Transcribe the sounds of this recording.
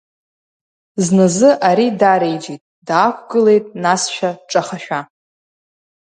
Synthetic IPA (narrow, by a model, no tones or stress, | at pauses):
znɨzɨʔaɾidaɾejd͡ʒitʼdaːkʷʰɡ̥ɨle̞jtʼnasʃᶣaʈ͡ʂʼaχaʃᶣa